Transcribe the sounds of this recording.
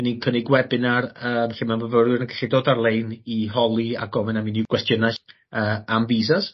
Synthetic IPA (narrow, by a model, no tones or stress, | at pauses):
ɛninkʰənɪɡwɛbɪnarəːvɛɬɪmanvəvəɾjʊrənkʰḁɬidoːdarlˠejnihɔlˠia̰ɡɔvɛnaminikwɛstjənaɬ | əːamviːsas